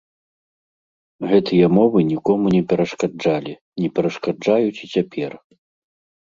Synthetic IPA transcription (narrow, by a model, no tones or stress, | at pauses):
ɣɛt̪ɨjɐmɔvɨnʲikɔmunʲɛpʲɛɾɐʂkad͡ʐalʲi | nʲɛpʲɛɾɐʂkad͡ʐajut͡sʲit͡sʲapʲɛr